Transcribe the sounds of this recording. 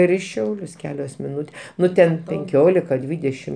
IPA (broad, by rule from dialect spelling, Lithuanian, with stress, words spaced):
ɪr ɪ ˈʃʲɛʊlʲʊs ˈkʲæːlʲoːs mʲɪˈnʊtʲeː ˈnʊ tʲɛn pʲɛŋʲˈkʲoːlʲɪkɐ ˈdʲʋʲiːdʲɛʃʲɪm